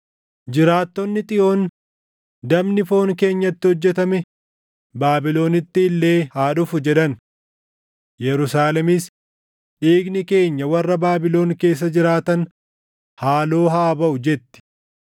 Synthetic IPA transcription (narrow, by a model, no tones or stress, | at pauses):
d͡ʒɪɾaːt̪ːɔnːɪt̪ʼɪʔo̞ːn | d̪ɐbnɪfo̞ːŋke̞ːɲːɐt̪ːɪhɔd͡ʒːɛt̪ɐmɛ | baːbɪlo̞ːnɪt̪ːɪːlːe̞ːhaːᶑʊfʊd͡ʒɛᶑɐn | jɛɾʊsaːlɛmɪs | ᶑiːɡnɪke̞ːɲːɐwɐrːɐbaːbɪlo̞ːnke̞ːs̬ːɐd͡ʒɪɾaːt̪ɐn | haːlo̞ːɦaːbɐʔʊd͡ʒɛt̪ːɪ̥